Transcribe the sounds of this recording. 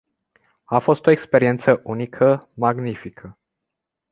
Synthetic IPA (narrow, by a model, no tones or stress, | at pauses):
afo̞st̪o̞e̞kspe̞ɾie̞nt̪səʔunikʰəmaɡnifikʰə